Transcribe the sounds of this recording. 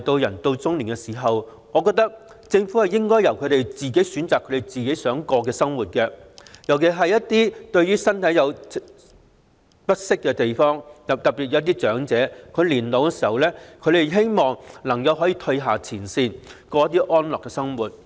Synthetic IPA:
t̪o˧wjɐ˨˩nt̪o˧wt͡sʊ˥ŋliː˨˩nkɛ˧siː˨˩ɦɐ˨w | ŋɔː˨˧kɔː˧k̚t̪ɐ˥k̚ | t͡sɪ˧ŋfu˨˥hɐ˨jɪ˥ŋkɔː˥jɐ˨˩wkʰɵ˨˧ɥɾe˨jt͡siː˨ke˨˥jsyː˨˥nt͡saː˨kʰːɵ˨˧ɥt̪e˨˩jt͡siː˨ke˨˥jsœː˨˥ŋkɔː˧k̬ɛː˧sɐ˥ŋwuː˨t̚kɛː˧jɐ˨˩wke˨˩ɦɐ˨jɐ˥t̚t̪iː˥t̪ɵ˧ɥyː˥sɐ˥nt̪ʰɐ˨˥jɐ˨˧w | pɐ˥t̚sɪ˥kːɛ˧t̪e˨jfɔː˥ŋt̪ɐ˨p̚t̪ɐ˨k̚pi˨˩t̚jɐ˨˧˥ɐ˥t̪̬iː˥t͡ʃœː˨˥ŋt͡sɛː˨˥kʰɵ˨˧ɥliː˨˩nlo˨wkɛ˧siː˨˩hɐ˨˧wlɛː˥kʰɵ˧t̪e˨jɦe˥jmɔː˨ŋlɐ˨˩ŋkɐ˧wɦɔː˨˥jiː˧t̪ʰɵ˧ɦaː˨t͡sʰiː˨˩nsiː˧nkɔː˧jɐ˥t̪̚ːiː˥ʔɔː˥nlɔː˨kːɛ˧sɐ˥ŋwuː˨˩t̚

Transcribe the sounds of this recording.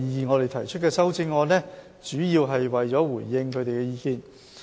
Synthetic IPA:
iː˧iː˨nŋɔː˨˧ɾe˨jt̪ʰɐ˨˩jt͡ʃʰɵ˥t̚kɛː˧sɐ˥wt͡sɪ˥ŋɔː˧nɛ˥ | t͡ʃyː˨˥jiː˧wɦɐ˨jwɐ˨jt͡sɔː˨˥wuː˨˩jːɪ˧ŋkʰɵ˨˧ɥt̪e˨jkɛ˧jiː˧kiː˨˧n

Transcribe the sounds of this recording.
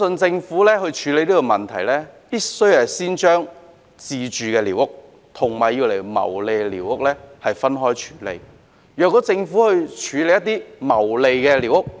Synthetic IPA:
sɵ˧nt͡sɪ˧ŋfuː˨˥lɛː˥hɵ˧ɥt͡ʃʰyː˨˧le˨˧jliː˥kɔ˧mɐ˨nt̪ʰɐ˨˩jlɛː˥piː˥sɵ˥ɥhɛ˨siː˥nt͡ʃœː˥ŋ | t͡siː˧t͡ʃyː˨kɛː˧liː˨˩wʊ˥k̚ | t̪ʰʊ˨˩ŋmaː˨˩jːi˧wle˨˩jmɐ̰˨˩wle˨˧jliː˨˩wʊ˥k̚lɛː˥hɐ˨jfɐ˥nɦɔː˥jt͡ʃʰy̥ː˨˥lḛ˧j | jœː˨kːɔː˨˧˥t͡sɪ˧ŋfu˨˥hɵ˧ɥt͡ʃʰyː˨˧le˨˧jɐ˥t̪iː˥mɐ˨˩wle˨˧jkɛː˧liː˨˩wʊ˥k̚

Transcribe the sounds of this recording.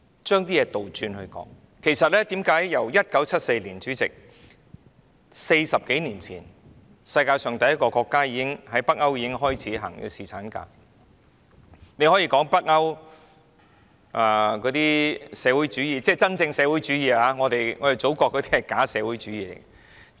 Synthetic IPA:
t͡ʃœː˥ŋt̪iː˥jɛː˨˧t̪o˨wt͡ʃyː˧nhɵ˧ɥkɔ̰ː˨˥ŋ | kʰe˨˩jsɐ˨t̚lɛː˥t̪iː˨˥mkaː˨˥jjɐ˨˩wjɐ˥t̚kɐ˨˥wt͡sʰɐ˥t̚se˧jliː˨˩nt͡ʃyː˨˥t͡sɪ˨k̚ | se˧jsɐ˨p̚ke˨˥jniː˨˩nt͡sʰḭː˨˩n | sɐ˧jkaː˧jsœː˨˩ŋt̪ɐ˨jːɐ˥t̚kɔː˧kɔː˧kːaː˥jiː˨˧kɪ˥ŋɦɐ˨˥jpɐ˥k̚ŋɐ˥wjiː˨˧kɪ˥ŋɦɔː˥jt͡sʰiː˨˥ɦɐ̰ː˨˩ŋjḭ˧siː˨t͡sʰaː˨˥nka̰ː˧˥ | ne˨˧jhɔ˨˥jiː˧kɔː˨˥ŋpɐ˥k̚ɐ˥w | ʔaː˨˩kɔː˨˥t̪iː˥sɛː˨˧wu˨˥jt͡ʃyː˨˥jiː˨˧t͡sɛː˧˩t͡sɐ˥nt͡sɪ˧ŋsɛː˨˧wuː˨˥jt͡ʃyː˨˥jiː˨˧aː˨˧ŋɔː˨˧t̪e˨jŋɔː˨˧je˨˩t͡so˨˥wkɔː˧kːɔː˨˧t̪i˥hɐ˨˩kaː˨˥sɛː˨˧wu˨˥jt͡ʃyː˨˥jiː˨˧lḛ˨˩j

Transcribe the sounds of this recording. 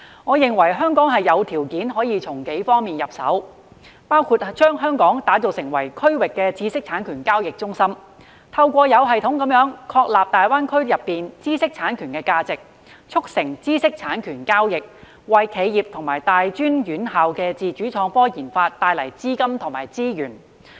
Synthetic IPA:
ŋɔː˨˧jɪ˨ŋwɐ˨˩jɦœː˥ŋkɔː˨˥ŋɦɐ˨jːɐ˨˧wt̪ʰiː˨˩wkiː˨˥nɦɔː˨˥jiː˨˧t͡sʰʊ˨˩ŋke˨˥jfɔː˥ŋmiː˨njɐ˨p̚sɐ̰˨˥w | paː˥wkʰuː˧t̚t͡ʃœː˥ŋɦœː˥ŋkɔː˨˥ŋt̪aː˨˥t͡so˨wsɪ˨˩ŋwɐ˨˩jkʰɵ˥ɥwɪ˨kːɛː˧t͡siː˥sɪ˥k̚t͡sʰaː˨˥nkʰyː˨˩nkaː˥wjɪ˨k̚t͡ʃʊ˥ŋsɐ˥m | t̪ʰɐ˧wkʷɔː˧jɐ˨˧wɦɐ˨jt̪ʰʊ˨˥ŋkɐ˨˥mjœː˨˥ŋkʰɔː˧k̚laː˨p̚t̪aː˨jwaː˥nkʰɵ˥ɥjɐ˨pːiː˨nt͡siː˥sɪ˥k̚t͡sʰaː˨˥nkʰyː˨˩nkɛː˧kaː˧t͡sɪ˨k̚ | t͡ʃʰʊ˥k̚sɪ˨˩ŋt͡siː˥sɪ˥k̚t͡sʰaː˨˥nkʰyː˨˩nkaː˥wjɪ˨k̚ | wɐ˨˧jkʰe˨˧jjiː˨˩p̚t̪ʰʊ˨˩ŋmaː˨˩jt̪aː˨jt͡ʃyː˥njyː˨˥nɦaː˨wkɛː˧t͡siː˨˩t͡ʃyː˨˥t͡ʃʰɔː˨˥ŋfɔː˥jiː˨˩nfaː˧t̚t̪ːaː˧jlɐ˨˩jt͡siː˥kɐ˥mt̪ʰʊ˨˩ŋmaː˨˩jt͡siː˥jyː˨˩n

